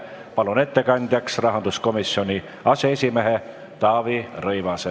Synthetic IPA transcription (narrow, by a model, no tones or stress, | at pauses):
pɑlune̞t̪ːe̞kɑnʲd̪̥ʲjɑksrɑɦɑnd̪̥usko̞misːio̞nʲi | ɑseesʲimeɦe | t̪ɑːvirɤjvɑse